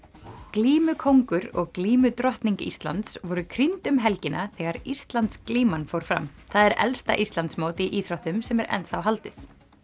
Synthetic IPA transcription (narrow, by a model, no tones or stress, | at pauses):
kliːmʏkʰowŋkʏɾɔɣkliːmʏt̪ɾɔht̪niɲcist̪la̰nt̪svɔɾʏkʰɾint̪ʏmɦɛlcɪnʔaθɛːɣaɾist̪lant̪skliːmanfowɾ̥fɾa̰mθaðɛɾɛ̰lst̪a̰ʔist̪lant̪smoːwt̪iʔiːθɾaht̪ʏmsɛmɛɾʔɛ̰nθawɦalt̪ʏθ